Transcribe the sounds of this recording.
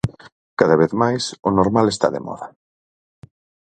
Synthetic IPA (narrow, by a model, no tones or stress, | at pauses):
kaðaβ̞eθmajsʊnoɾmalest̪a̰ðḛmɔ̰ðɐ